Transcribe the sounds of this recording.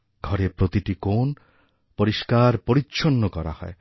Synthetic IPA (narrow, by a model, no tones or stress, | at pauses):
ɡʱɔɾepɾot̪iʈikon | poɾiʃkaɾpoɾitːʃʰonːokɔɾa̰hɔ̰e